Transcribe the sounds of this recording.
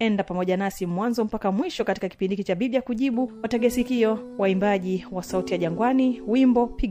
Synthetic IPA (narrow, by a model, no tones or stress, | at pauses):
ɛndapamɔʄanasimwanzɔm̩pakamwiʃɔkati̥kaki̥pindikit͡ʃaɓiɓijakuʄiɓuwataɡɛsikiɔwaimbaʄiwasautijaʄaŋɡwaniwimbɔpiɡ